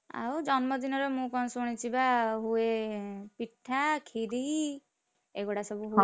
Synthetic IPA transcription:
a̰wd͡ʒɔnmɔd̪inɔɾemũkɔnɔsuɽ̃it͡ʃʰibaɦuepiʈʰːakʰiɾi | eɡoɽasɔbuɦu

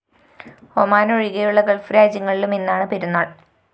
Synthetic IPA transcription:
o̰maːnoɻiɣɐjuɭːɐkɐɭfɾaːd͡ʑɐŋːɐɭilume̞nːaːɳɨpeɾunːaːɭ

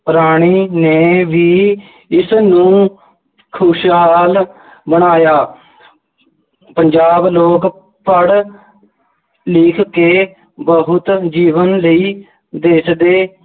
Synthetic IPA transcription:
pəɾaːɽ̃iːneːʋiː | ɪsnũː | kʰʊʃɦɦaːl | bəɽ̃aːjaː | pəɲd͡ʒaːbloːk | pəɽ | lɪːkʰkeː | bəɦʊt̪d͡ʒiːʋənləiː | d̪eːsd̪eː

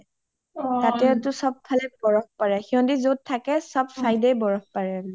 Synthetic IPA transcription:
tatɛtʊsɔb̚pʰːalɛbɔɹɔp̚paɹɛxiɔndizot̚tʰːakɛsɔbsajdɛjbɔɹɔp̚paɹɛ

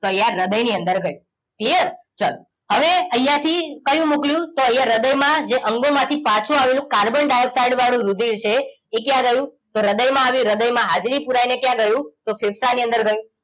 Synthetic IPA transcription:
t̪oəjãɾəd̪əjniənd̪əɾɡəjũ | kliəɾ | t͡ʃal | ɦəʋeəjjãt̪ʰikəjũmukljũt̪oəjãɾəd̪əjmãd͡ʒeʔəŋɡomãt̪ʰipãt͡ʃʰũaʋelũkaɾbənɖajəpsajɖʋaɽ̃ũɾud̪ʱilt͡ʃʰeː | k̬jãɡəjũt̪oɾəd̪əjmãːʋiɾəd̪əjmãɦad͡ʒɾipuɾajnekjãɡəjũt̪ofʰefsaniə̃nd̪əɾɡəjũ

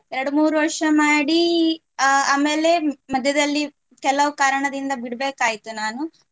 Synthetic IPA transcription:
ɛɾɐɽumuːɾuʋɐɾʂɐmaːɽi | aːmeːle̞mɐd̪ʱjɐd̪ɐlːi | kɛlːɐʋukaːɾɐɳɐd̪ind̪ɐbiɽbeːkaːjit̪unaːnu

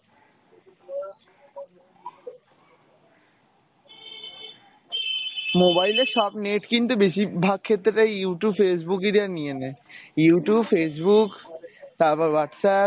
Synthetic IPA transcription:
mobajleɾʃɔbneʈkint̪ubeʃibʱaɡ̚kʰet̪ːɾeʈajjuʈjubfes̬buked̪aɾnijenejuʈubfes̬bukt̪abaɾwaʈsa

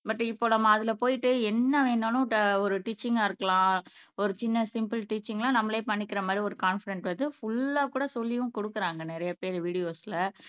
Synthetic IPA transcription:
bɐʈːɯ̃ɪpːoːnɐmːaːɐðɪlɐpoːjɪʈːɯɛnːɐʋeːɳɖanʊ̃ɔɾɯʈiːt͡ʃːɪŋɡaɪɾɯkːɐlãːɔɾɯt͡ʃɪnːɐsɪmpɯlʈiːt͡ʃːɪŋɡɐlãːnɐmːɐleːpɐɳːɪkːɪɾɐmaːd̪ɾiɔɾɯkaːnfɪɽɛɳʈʋɐnd̪ɯfʊɭːaːkuːɽɐsɔlːɪjʊ̃kɔɽɯkːɯɾaːŋɡɐnɛɾɐjɐpeːɾʋiːɽɪjoːsɪlɐ

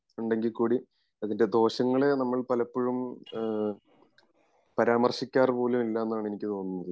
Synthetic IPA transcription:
uɳɖe̞ŋɡilkuːɽi | ɐðinde̞d̪o̞ːɕɐŋːɐɭe̞nɐmːɐɭpɐlɐpːoɻum | pɐɾaːmɐrɕikʲːaːrpo̞ːlumilːɐenːaːɳe̞nikʲːɨt̪o̞ːnunːɐðɨ

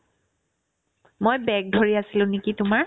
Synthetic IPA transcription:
mojbɛk̚dʱoɹiasilʊ̃nekitʊma

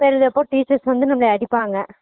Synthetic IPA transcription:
peɾɐðɛpːoːʈiːt͡ʃɐɾsʋɐnd̪ɯnɐmɐɭɐɐɽɪpːaːŋɡɐ

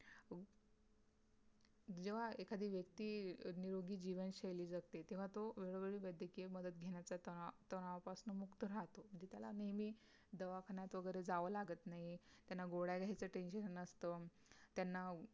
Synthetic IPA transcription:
d͡ʑeʋ̤aekʰad̪ʱiːʋjəkt̪iːniɾoɡiːd͡ʑiʋənɕejliːd͡zəɡt̪et̪eʋ̤at̪oʋeɭoʋeɭiːʋəjd̪ʱjəkieməd̪ət̪̚ɡʱeɳ̃jat͡sat̪t̪ənaʋapasnəmukt̪əɾaɦt̪om̤əɳd͡ʑet̪jala̰nemiː | d̪əʋakʰaɳjat̪ʋəɡəjɾed͡zaʋəlaɡət̪naɦit̪janːaɡoɽaɡʱajt͡səːʈenɕənnəst̪əː | t̪janːa

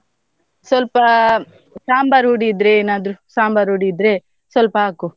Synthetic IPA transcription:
sʋɐlpɐ | saːmbaɾɦuɽid̪ɾeeːnaːd̪ɾusaːmbaɾɦuːɽid̪ɾe | sʋɐlpɐaːku

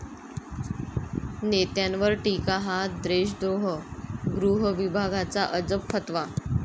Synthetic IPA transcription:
net̪jãnʋəɾʈikaɦad̪ɾeɕd̪ɾoɦəɡɾuɦəʋibʱaɡat͡saʔəd͡zəpʰːət̪ʋa

